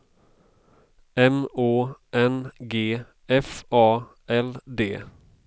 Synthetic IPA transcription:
ʔɛmoːʔɛnɡeː | ɛfɑː | ʔɛld̪eː

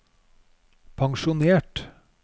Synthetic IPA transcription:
pʰɑŋʃʊneːʈ

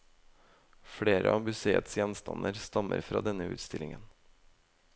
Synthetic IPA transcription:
fɽeːɾəʔɑːbʏseːət̪sjɛnst̪ɑnʔəɾst̪ɑmə̰ɾfɾɑ̰ːd̪ɛnəʉ̰ːt̪st̪ɪlɪŋən

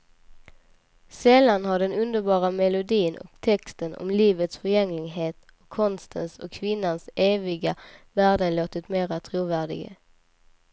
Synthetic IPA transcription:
sɛlanɦaɖɛnɵnd̪əɾbɑːɾamɛlʊd̪iːnɔ̰kt̪ʰɛkst̪ənɔ̰mliːvət̪sfœɾjɛŋlɪɡɦeːt̪ | ɔkʰːɔnst̪ʰə̰nsɔkʰːvɪnːanseːvɪɡavæːɖənloːt̪ɪt̪meːɾat̪ʰɾuːvæːɖɪ̰ɡə̰

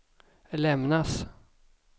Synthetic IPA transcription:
lɛmnas

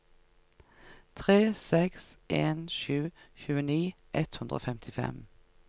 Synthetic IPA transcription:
t̪ʰʁeːsɛksʔeːnʃʉːçʉːəniː | ʔɛt̪hʉnd̪ʁo̰ːfɛmt̪ʰɪfɛ̰m

